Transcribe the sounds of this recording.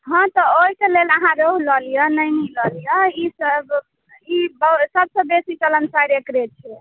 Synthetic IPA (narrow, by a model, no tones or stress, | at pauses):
ɦɔ̃t̪ɔoikeleləɦãɾoɦlɔlijənəjnəlɔlijəisəb | ibəsəb̚sə̃besit͡ʃələnsajɾekɾet͡ʃʰɛ